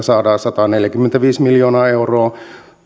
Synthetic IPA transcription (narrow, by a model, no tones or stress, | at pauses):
sɑːdɑːsɑt̪ɑːneljækymːent̪æʋiːsmiljoːnɑːeuroː